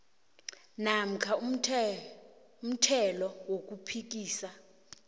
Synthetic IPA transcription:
nam̩kʰa | um̩tʰɛlɔwok̬ʼupʰik̬ʼiːsa

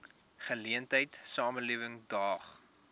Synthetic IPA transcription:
χəliəntəjtsɑːmənliəvəŋdɑːχ

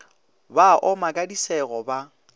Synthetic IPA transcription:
baʔɔmakʼadisɛɣɔba

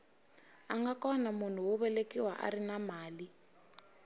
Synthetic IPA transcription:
aŋɡakɔnamun̤uwʊβɛlekiwaʔa̰rinamaːli

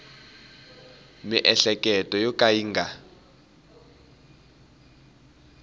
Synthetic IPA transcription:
miʔɛɬɛkʼɛtʼɔjɔkʼaiːŋɡʱa

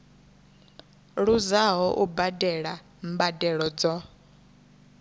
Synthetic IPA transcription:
ɺuzaɦɔʔubadɛɺa | mbadɛɺɔd͡zɔ

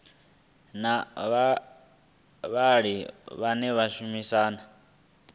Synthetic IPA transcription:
naβa | βaɺiβanɛβaʃumisaːna

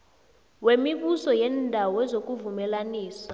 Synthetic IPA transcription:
wemiɓusɔjɛndʱawɔɛzok̬ʼuvumɛlaniːsḁ

